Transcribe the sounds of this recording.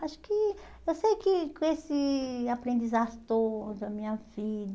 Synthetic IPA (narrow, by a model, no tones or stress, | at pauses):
aʃʊ̥kɪ | ewsejkɪkõesɪapɾẽnd̪izaʒʊt̪od̪ɐmĩɲɐvid̪